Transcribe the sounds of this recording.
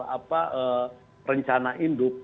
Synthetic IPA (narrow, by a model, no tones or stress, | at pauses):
apaə | rəɲt͡ʃanaʔindop